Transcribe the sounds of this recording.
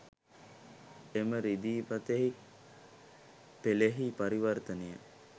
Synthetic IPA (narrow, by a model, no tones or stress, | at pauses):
eməɾid̪iːpat̪eɦi | peleɦipaɾiʋərt̪ənəjə